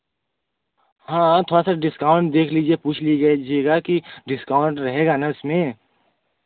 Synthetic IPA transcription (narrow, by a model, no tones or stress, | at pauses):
hãːt̪ʰoːɽasaɖɪskaːʊ̃ɳʈ̚d̪eːkʰliːd͡ʒiepuːt͡ʃʰliɡɐd͡ʒieɡakiɖɪskaːʊ̃ɳʈɾɐɦeːɡaːnaʊsmẽ